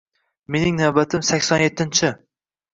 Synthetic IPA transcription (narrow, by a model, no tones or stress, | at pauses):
me̞nɪŋnawbat̪ʰɪmsakʲsɒnjet̪ːɪnt͡ʃʰɪ